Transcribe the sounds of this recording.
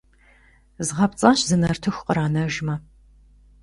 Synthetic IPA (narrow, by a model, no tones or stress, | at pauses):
zʁɐpt͡sʼɐɕzɨnɐrtʰɨxʷqəɾaːnɐʒmɐ